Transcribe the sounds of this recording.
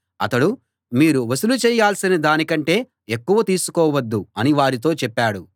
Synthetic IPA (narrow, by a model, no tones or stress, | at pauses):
ɐt̪ɐɽu | miːɾuʋɐsulut͡ʃɛːjaːlsinɐd̪aːnikɐɳʈe̞ː | ekːuʋɐt̪iːsu̥kɔːʋɐd̪ːuɐniʋaːɾit̪̬o̞ːt͡ʃɛpːaːɽu